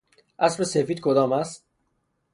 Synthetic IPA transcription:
ʔæsbesefiːd̪̥̚kʰod̪ɒːmæst̪

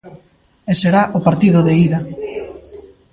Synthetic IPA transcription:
eseɾaʔʊpaɾt̪iðʊðeiɾa

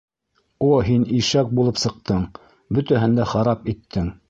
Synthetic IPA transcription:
oɦiniʃæk̚bulˠɤpsɤ̆q̚t̪ɤɴ | bɵt̪æɦɘ̆nd̪æχɑɾɑpit̪ʰːɘŋ

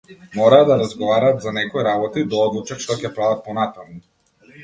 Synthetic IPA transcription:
mɔɾaːd̪aɾazɡɔvaɾaːt̪zanɛkɔjɾabɔt̪id̪aɔd̪lˠut͡ʃat̪ʃt̪ɔcɛpɾavat̪̚pɔnat̪amu

